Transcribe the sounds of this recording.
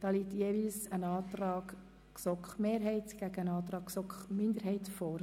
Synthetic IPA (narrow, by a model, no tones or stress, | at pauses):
d̥ɑːliːtjeːvilsənɑːt̪rɑːɡ | ksɔkχmeːɾɦɛɪtɡ̥æɡ̥əənɑːt̪ɾɑːkksɔkχmɪnd̪əɾɦɛɪtfɔːɾ